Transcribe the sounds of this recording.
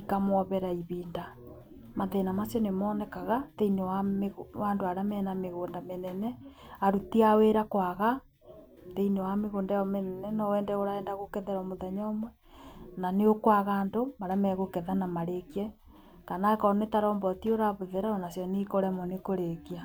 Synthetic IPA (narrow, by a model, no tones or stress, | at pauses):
ikamwɔβɛɾaiβiːnda | maðenamasjɔnemɔːnɛkaɣateinewameɣwandoaɾamɛːnameɣoːndamenɛnɛaɾutiaweɾakwaɣa | teinewameɣoːndajɔmenɛnɛnɔwɛːndɛoɾaɛndaɣokɛðɛɾɔmoðɛɲɔmwɛ | naneokwaɣandomaɾamɛɣokɛðanamaɾekiɛ | kanakɔnetaɾɔmbɔtioɾaβoðeɾaɔnasjɔnikoɾɛmɔnekoɾekia